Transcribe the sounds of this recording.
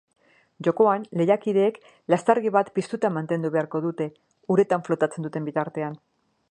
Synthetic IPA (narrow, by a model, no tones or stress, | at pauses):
ʝo̞ko̞anle̞jakiðe̞ːk | last̪aɾɣiβat̪pist̪ut̪amant̪e̞nd̪uβe̞aɾko̞ðut̪e̞ | uɾe̞t̪aɱflo̞t̪at͡se̞nd̪ut̪e̞mbit̪aɾt̪e̞an